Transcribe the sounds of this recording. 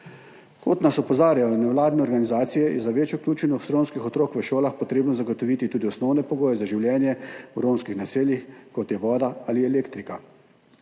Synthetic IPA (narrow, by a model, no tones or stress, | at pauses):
kot̪nasɔpɔzaːɾjajɔnɛwlaːd̪nɛɔɾɡanizaːt̪sijɛjɛ̰zaʋeːt͡ʃjɔklʲuːt͡ʃɛnɔwst̪ɾonskixɔt̪ɾoːkʋəʃoːlaxpɔt̪ɾeːbnɔzaɡot̪ɔʋiːt̪it̪uːd̪iɔsnɔwnɛpɔɡoːjɛzaʒiwljɛːnjɛuɾomskixnaseːljixkɔt̪jɛʋɔːd̪aaliɛleːkt̪ɾika